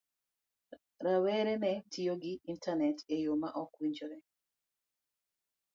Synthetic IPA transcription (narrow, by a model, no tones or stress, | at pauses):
ɾawɛɾɛnɛtʰijoɡiintʰanɛtejomaʔɔkwiɲd͡ʒɔɾɛ